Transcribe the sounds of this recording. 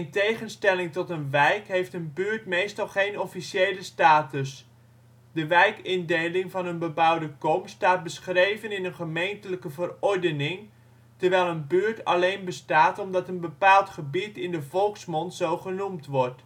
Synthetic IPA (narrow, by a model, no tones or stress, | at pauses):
ɛntejχənstɛlɪŋtɔtənʋɛjkɦejftənbyːɹtmejstɑlˠχejnɔfisejləstaːtəs | dəʋɛjkɪndejlɪŋvɑnənbəbʌwdəkɔmstaːt̚bəsχrejvənɪnənχəmejntələkəvərɔɹdənɪŋ | təɹʋɛjlˠənbyːɹtɑlejnbəstaːtɔmdɑtənbəpaːlˠtχəbitɪndəvɔlˠksmɔntsowχənumtʋɔɹt